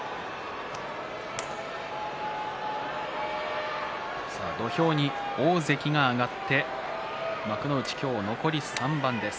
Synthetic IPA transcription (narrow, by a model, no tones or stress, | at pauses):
sa̰d̪o̞ço̞ːɲ̟i | o̞ːze̞kʲiɡaːɡat̪ːe̞ | makɯ̟no̞ɯ̟t͡ɕi̥kʲo̞ːno̞ko̞ɾʲisãmbãnd̪e̞s